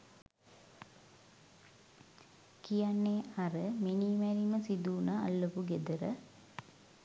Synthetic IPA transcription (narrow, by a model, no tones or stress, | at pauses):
kijanːeːaɾəminiːmæɾiməsid̪uːnəa̰lːopuɡed̪əɾə